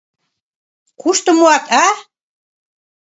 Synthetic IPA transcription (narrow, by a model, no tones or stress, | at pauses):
kuʃt̪ə̆moɑt̪a